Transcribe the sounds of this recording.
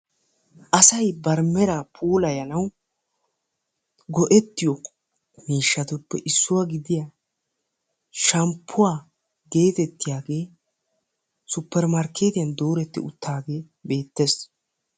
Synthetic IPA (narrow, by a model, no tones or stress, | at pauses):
ʔɐsɐjbɐɾmɛɾaːpʰuːlɐjɐnɐw | ɡɔʔɛt̪ːɪjɔ | miːʃːɐt̪ʊpːɛ̰ʔɪsːʊwaɡɪd̪ɪja | ʃɐmpʰːʊwaː | ɡe̞ːt̪ɛt̪ːɪjaːɡe̞ː | sʊpːɛɾmɐɾkːe̞ːt̪ɪjɐnd̪o̞ːɾɛt̪ːɪ̰ʊ̰t̪ːaːɡe̞ː | be̞ːt̪ːes